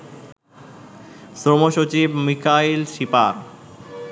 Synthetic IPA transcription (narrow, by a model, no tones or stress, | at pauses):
sɾomoʃot͡ɕibmikʰailʃipaɾ